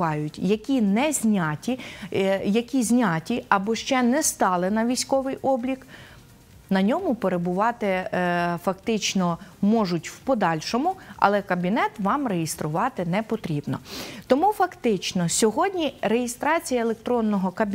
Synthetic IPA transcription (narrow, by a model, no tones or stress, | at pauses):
ɑjʊtʲjɐkʲinɛzʲnʲɑtʲi | jɐkʲizʲnʲɑtʲiɐbɔʃt͡ʃɛnɛst̪ɑlˠɪnɐʋʲijsʲkɔʋɪjʔɔblʲik | nɐnʲɔmʊpeɾebʊʋɑt̪ɪfɐkt̪ɪt͡ʃnɔmɔʒʊtʲwpɔd̪ɑlʲʃɔmʊɐ̰lˠɛkɐbʲinɛt̪ʋɑmrejɪst̪ɾʊʋɑt̪ɪnɛpɔt̪ɾʲibnɔ̰t̪ɔmufɐkt̪ɪt͡ʃnɔsʲɔɦɔdʲnʲiɾe̞jɪst̪ɾɑt͡sʲijɐelˠek̚t̪ɾɔnːɔɦɔkɐbʲ